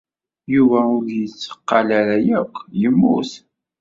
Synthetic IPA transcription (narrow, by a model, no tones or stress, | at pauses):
juvæʊɾjət͡sːə̥qːɑlaɾæjækʷʰːjəmːṵθ